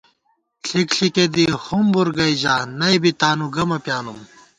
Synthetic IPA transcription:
ɬʰikɬiked̪ihumbuɾɡɐjd͡ʑaːnɐjbit̪aːnuɡɐmɐpjaːnum

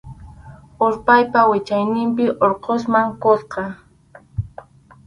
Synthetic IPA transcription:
oɾpajpawɪt͡ʃajnɪmpɪʔoɾqos̬maŋkosqɑ

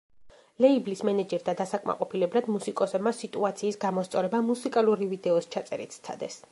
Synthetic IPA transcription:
lɛiblismɛnɛd͡ʒɛɾd̪ad̪asakʼma̰qʼɔpʰilɛblad̪musikʼɔsɛbmasit̪ʼuat̪sʰiːsɡamɔst̪sʼɔɾɛbamusikʼaluɾivid̪ɛɔst͡ʃʰat̪sʼɛɾḭt̪ʰst̪sʰa̰d̪ɛs

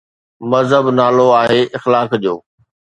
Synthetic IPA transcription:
mɐzɦəbnaːloaːɦeːʔɪxlaːkd͡ʑoː

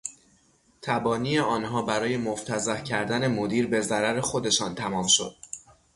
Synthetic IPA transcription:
t̪ʰæbɒːniːeɒːnɦɒːbæɾɒːje̞moft̪ʰæzæhcʰæɾd̪æne̞mod̪iːɾbe̞zæɾæɾe̞xo̞d̪e̞ʃɒːnt̪ʰæmɒːmʃo̞̰d̪̥̚

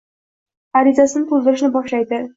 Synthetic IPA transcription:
aɾizasɪnɪt̪ʰʊld̪ɪɾɪʃnɪbɒʃlajd̪ɪ

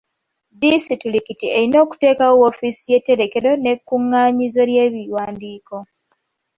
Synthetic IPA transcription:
disitulikitieɾino̞ːku̥te̞ːkaowofisije̞te̞ɾe̞ke̞ɾo̞ne̞kːuŋːaːɲizo̞lje̞ːβiwaːndiːko̞

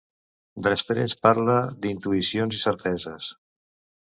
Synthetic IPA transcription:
d̪əspɾḛspaɾləd̪int̪uisionzisəɾt̪ɛzəs

